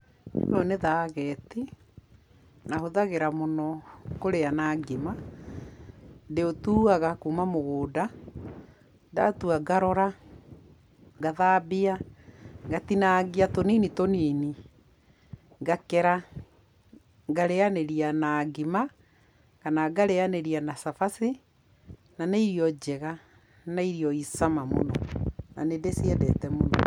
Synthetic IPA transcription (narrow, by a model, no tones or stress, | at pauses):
ɔneðaːɣɛːti | nahoðaɣeɾamonɔkoɾeanaːɡema | deotuaɣakumamoɣoːda | da̰tuaɡaɾɔɾa | ɡaðabea | ɡatinaɡiatoniːnitoniːni | ɡakɛɾa | ɡaɾeaneɾianaɡima | kanaɡaɾeaneɾianasafase | naneiɾiɔd͡ʑɛɣa | naiɾiɔisamamo̰nɔ̰na̰nedesiɛdɛ̰tɛmo̰nɔ̰